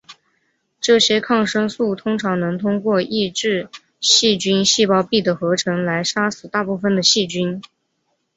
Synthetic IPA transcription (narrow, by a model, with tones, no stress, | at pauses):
ʈ͡ʂɤ˥˩ɕjɛ˥kʰɑ˥˩ŋʂɤ˥ŋsu˥˩t̪ʰʊ˥ŋʈ͡ʂʰɑ˧˥ŋnɤ˧˥ŋt̪ʰʊ˥ŋkwɔ˥˧ʔi˥˧ʈ͡ʂɻ̩˥˧ | ɕi˥˩t͡ɕy˥nɕi˥˧pɑ˥˧ʊpi˥˩d̪ə˩xɤ˧˥ʈ͡ʂʰɤ˧˥ŋla˧˥ɪʂa˥sɹ̩˨˩t̪a˥˧pu˥˩fə˩nd̪ə˩ɕi˥˩t͡ɕy˥n